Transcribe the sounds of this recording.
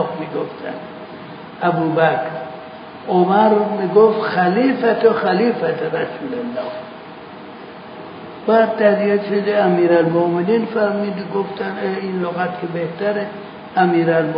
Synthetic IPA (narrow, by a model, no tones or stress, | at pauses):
xmiɡoft̪ʰæ̰n | æbuːbækɾ | omaɾmiɡoft̪xæliːfæt̪oxæliːfæt̪oɾasuːlenːaw | bad̪̚t̪ad̪ijed̪ʃed̪eæmiːɾalmomeninfæɾmid̪ɡoft̪aneinloɣat̪kebeht̪æɾe | æmiːɾalm